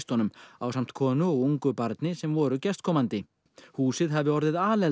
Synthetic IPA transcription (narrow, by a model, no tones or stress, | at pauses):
st̪ɔnʏma̰wsam̥t̪kʰɔːnʏɔɣuŋkʏpaɾt̪nɪsɛmvɔːɾʏcɛst̪̚kʰɔːmant̪ɪ | huːsɪðɦavðɪɔɾðɪðaːlɛ